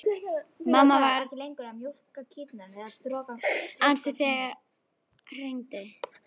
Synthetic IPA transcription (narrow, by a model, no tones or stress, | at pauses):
mamːavaɾɛlejŋkʏɾamjowr̥kacʰɪːt̪naɾɛðast̪ɾɔːkaansɪθɛɣ | r̥ejnt̪ɪ